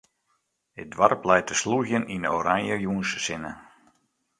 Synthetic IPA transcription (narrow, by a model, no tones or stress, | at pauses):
ɪdʋarplɛjt̚əsluɣjəninoɾaŋjəjuːnssɪnə